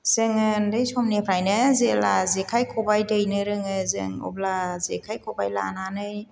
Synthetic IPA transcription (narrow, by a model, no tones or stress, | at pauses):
z̥ɯŋɯndɯjsʰɔmnepʰɾajnɯzelazekʰajkʰɔbajdɯjnɯɾɯŋɯzɯ̰ŋɔ̰blazekʰajkʰɔbajla̰nanɯj